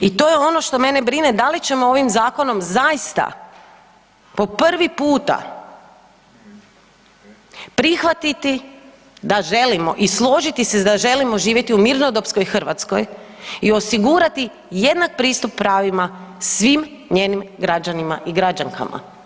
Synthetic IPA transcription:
it̪o̞ːjeo̞no̞ʃt̪o̞me̞nebɾine̞d̪alit͡ɕe̞mo̞o̞ʋimzaːko̞no̞mzajist̪a̰ | po̞pr̩ʋipuːt̪a̰ | pɾixʋat̪it̪i | d̪aʒe̞limo̞̰ʔislˠo̞ʒit̪ise̞d̪aʒe̞limo̞ʒiːʋjet̪iumiɾnod̪o̞psko̞jixr̩ʋat̪sko̞̰j | io̞siɡuːɾat̪i | je̞d̪nak̚pɾiːst̪upːɾaːʋimasʋimɲe̞ːnimɡɾad͡ʑanimaʔiɡɾad͡ʒaŋka̰ma̰

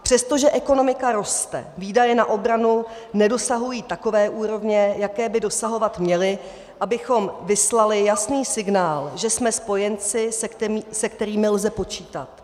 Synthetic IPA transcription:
pr̥ɛst̪o̞ʒɛʔɛko̞no̞mɪkaɾo̞st̪ɛ̰viːdajɛnaʔo̞bɾanu | nɛdo̞saɦujiːt̪ako̞vɛːʔuːɾo̞vɲɛjakɛːbɪdo̞saɦo̞vat̪mɲɛlɪ | ʔabɪxo̞mvɪslalɪjasniːsɪɡnaːlʒɛsmɛspo̞jɛnt͡sɪsɛkt̪ɛmisɛk̚t̪ɛɾiːmɪlzɛpo̞t͡ʃiːt̪at̪

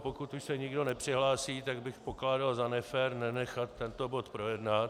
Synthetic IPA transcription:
pokut̪uʃsɛɲɪɡdo̞nɛpr̝̥ɪɦlaːsiːt̪aɡbɪxpo̞klaːdalzanɛfɛɾnɛnɛxat̪ːɛnt̪o̞bo̞t̪pɾo̞jɛdnat̪

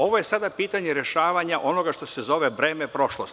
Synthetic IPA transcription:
o̞ʋojesad̪apiːt̪aɲeɾjeʃaːʋaɲaʔo̞no̞ɡaʃt̪o̞sezo̞ʋebɾeːmepɾo̞ʃlost̪

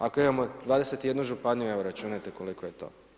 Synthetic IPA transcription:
akoimamod̪ʋaːd̪e̞se̞t̪ije̞d̪nuʒupaɲueʋoɾat͡ʃuːnajt̪e̞kolikoje̞t̪o̰

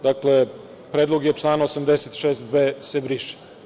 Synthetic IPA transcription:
d̪akle | pɾeːd̪lˠoɡjeʈ͡ʂlˠaːnaosamd̪eset̪ʃeːst̪beːsebɾiʃi̥

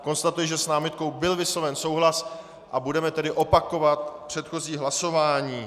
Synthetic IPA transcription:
ko̞nst̪at̪ujɪʒɛsnaːmɪt̪̚ko̞wbɪlvɪsovɛnso̞wɦlas | ʔabudɛmɛt̪ɛdɪʔo̞pako̞vat̪̚pr̥ɛt̪xo̞ziːɦlaso̞vaːɲiː

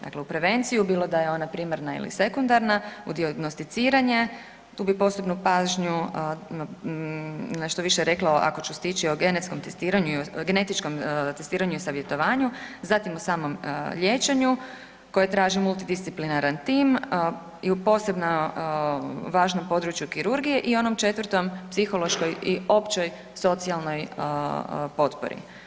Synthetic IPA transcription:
d̪a̰kleupɾe̞ʋe̞nt̪sijubiːlˠo̞d̪ajeo̞napɾiːmaɾnaḭlḭse̞kund̪aɾnaud̪iaɡnost̪it̪siːɾaɲe̞ | t̪uːbipo̞se̞bnupaːʒɲu | neʃt̪oʋiʃeɾe̞klaoʔa̰kot͡ɕust̪it͡ʃioɡe̞net̪sko̞mt̪e̞st̪iːɾaɲuioɡene̞t̪it͡ʃko̞mt̪est̪iːɾaɲuisaʋje̞t̪o̞ʋaːɲuzat̪imosaːmo̞mʎje̞t͡ʃeɲu | ko̞jet̪ɾaːʒimulˠt̪id̪ist̪siplinaɾant̪iːm | iupo̞ːse̞bna | ʋaːʒno̞mpo̞d̪ɾut͡ʃjukiɾuɾɡije̞ʔio̞no̞mt͡ʃe̞t̪ʋəɾt̪o̞mpsixo̞lˠo̞ʃko̞jio̞pt͡ʃo̞j | so̞t̪sialˠno̞j | po̞t̪po̰ɾḭ

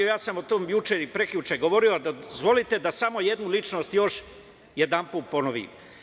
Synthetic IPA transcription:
ojaːsamot̪oːmjut͡ʃeipɾe̞kʎut͡ʃeɡo̞ʋo̞ɾioad̪azʋo̞lit̪e̞d̪asamo̞je̞d̪nulit͡ʃno̞ːst̪jo̞ʃ | je̞d̪ampuːt̪̚po̞noʋḭm

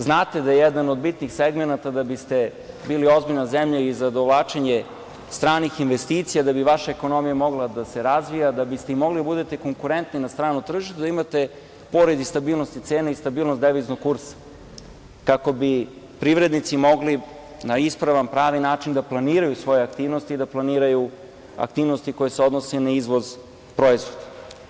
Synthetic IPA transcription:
znaːt̪e̞d̪ajejɛd̪anod̪bit̪nixseɡmenat̪ad̪abist̪e | biːlio̞zbiʎnazemʎaizad̪oʋlˠaːt͡ʃeɲe | st̪ɾaːnixinʋest̪iːt̪sijad̪abiʋaʃaeko̞no̞mijamo̞ɡlˠad̪ase̞ɾazʋijad̪abist̪eimo̞ɡlid̪abud̪et̪eko̞ŋkuɾent̪ninast̪ɾaːnut̪r̩ʒiʃt̪ud̪aimat̪e | po̞ɾed̪ist̪abiːlˠnost̪it̪seːnaist̪abiːlnosd̪eʋiznoɡ̚kuɾsḁ | kako̞bi | pɾiʋɾe̞d̪nit̪simo̞ɡli | naispɾaʋampɾaːʋinaːt͡ʃind̪aplˠaniːɾajusʋo̞jeak̚t̪iːʋnost̪iːd̪aplˠaniːɾaju | a̰k̚t̪iːʋnost̪iko̞jeseo̞d̪nosenaizʋo̞z | pɾo̞izʋo̞d̪a

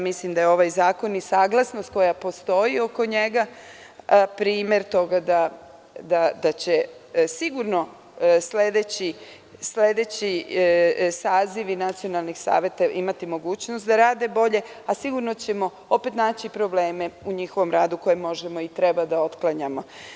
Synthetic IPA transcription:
mislimd̪ajeo̞ʋajzaːko̞nisaːɡlˠasnost̪̚ko̞japo̞st̪o̞io̞ko̞ɲe̞ɡa | pɾiːme̞ɾt̪o̞ɡad̪a | d̪ad̪at͡ɕesiɡuɾno̞ | sled̪et͡ɕi | sle̞d̪et͡ɕi | saːziʋinat̪sio̞nalˠnixsa̰ːʋe̞t̪aʔimat̪imo̞ɡuːt͡ɕnost̪d̪aɾaːd̪e̞bo̞ʎe̞ | asiɡuɾnot͡ɕe̞mo̞ | o̞pe̞t̪naːt͡ɕipɾo̞ble̞ːme̞uɲixo̞ʋo̞mɾaːd̪uko̞jemːo̞ʒemo̞it̪ɾe̞bad̪ao̞t̪klˠaɲamo̞

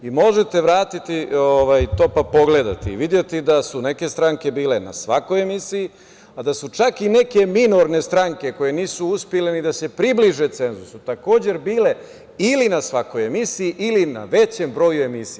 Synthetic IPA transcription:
imo̞ʒet̪e̞ʋɾaːt̪it̪ioʋajt̪o̞ːpapo̞ɡle̞d̪a̰t̪iḭʋid̪je̞t̪id̪asune̞ke̞st̪ɾaŋke̞biːle̞na̰sʋako̞je̞misiji | ad̪asut͡ʃakine̞ke̞mino̞ɾne̞st̪ɾaŋke̞ko̞je̞niːsuuspjelenid̪ase̞pɾibliʒe̞t̪se̞nzusut̪ako̞ːd͡ʑe̞ɾbiːle̞ | ilinasʋako̞je̞misijiʔilina̰ʋe̞t͡ɕe̞mbɾo̞ːjue̞misi

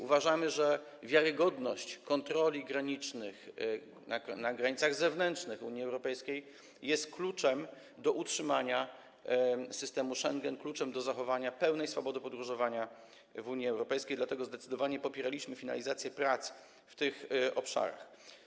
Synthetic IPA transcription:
uvaʐamɘʐɛ | vʲjaɾɘɡɔd̪nɔɕt͡ɕkɔnt̪ɾɔlʲiɡɾaɲit͡ʂnɘx | anaɡɾaɲit̪saɣzɛvnɛntt͡ʂnɘxṵɲiɛwɾɔpɛjskʲej | jɛst̪klut͡ʂɛm | d̪ɔʔutʂɘmaɲa | sɘst̪ɛmuʂɛŋɡɛnklut͡ʂɛmd̪ɔzaxɔvaɲapɛwnɛjsfɔbɔd̪ɘpɔd̪ɾuʐɔvaɲa | vuɲiɛwɾɔpɛjskʲejd̪lat̪ɛɡɔzd̪ɛt̪sɘd̪ɔvaɲɛpɔpʲjɛɾalʲiɕmɘfʲina̰lʲizat̪sʲjɛpɾat̪s | ft̪ɘxɔpʂa̰ɾa̰x

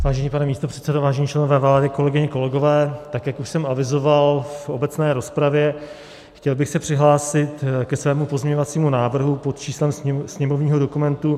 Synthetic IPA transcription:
vaːʒɛɲiːpanɛmiːst̪o̞pr̥ɛt̪sɛdovaːʒɛɲiːt͡ʃlɛno̞vɛːvaːdɪko̞lɛɡɪɲɛko̞lɛɡo̞vɛːt̪akjakuʃsɛmavɪzovalfobɛt͡snɛːɾo̞spɾavjɛ | xcɛlbɪxsɛpr̝̥ɪɦlaːsɪt̪kɛsvɛːmupozmɲɛɲovat͡siːmunaːvr̩ɦupot̪t͡ʃiːslɛmsɲɛmovɲiːɦo̞do̞kumɛnt̪u

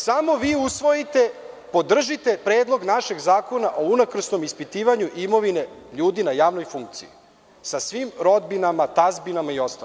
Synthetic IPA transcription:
samo̞ʋiːusʋo̞jit̪e̞ | po̞d̪r̩ʒit̪e̞pɾeːd̪lˠo̞ɡnaʃe̞ɡzaːko̞naʔo̞unakr̩sno̞mispit̪iːʋaɲuʔimo̞ʋine̞ʎuːd̪inajaːʋno̞jfuŋk̚t̪sḭi | sasʋimɾo̞d̪binamat̪azbinamaio̞st̪a̰

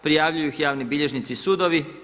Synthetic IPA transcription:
pɾijaʋʎujuxjaːʋnibiʎe̞ʒnit̪sisuːd̪oʋi

